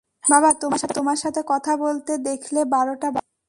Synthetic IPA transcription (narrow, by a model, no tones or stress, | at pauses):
babat̪omaʃat̪omaɾʃat̪ʰekɔt̪ʰabolt̪ed̪ekʰlebaɾoʈab